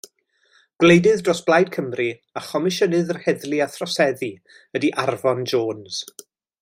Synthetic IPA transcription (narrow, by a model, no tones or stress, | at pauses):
ɡ̥lejdɨðdroːsb̥lˠajd̚kʰəmri | aχɔmɪʃənɨðərhɛðliaθrɔsɛði | ədiʔarvɔnd͡ʒoːnz̥